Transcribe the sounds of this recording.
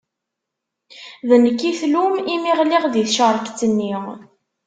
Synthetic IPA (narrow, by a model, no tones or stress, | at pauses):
ðənəkːiθlumimiʁliʁðiθʃəɾˤəkt͡sːənːi